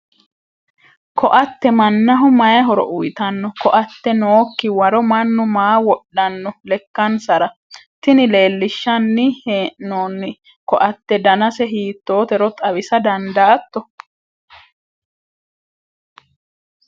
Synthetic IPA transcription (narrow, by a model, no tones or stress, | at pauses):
kʰɔʔɐt̪ːɛmɐnːɐɦʊmɐjɐɦɔɾɔ̰ʔʊjt̪ɐnːɔkɔʔɐt̪ːɛnoːkːɪwɐɾɔmɐnːʊmaːwɔɗːɐnːɔlɛkːɐnsɐɾɐ | t̪ɪnɪle̞ːlːɪʃːɐnːɪheːʔnoːnːɪ | kɔʔɐt̪ːɛd̪ɐnɐsɛɦiːt̪ːo̞ːt̪ɛɾɔt̪ʼɐwɪsɐd̪ɐnd̪ɐːt̪ːɔ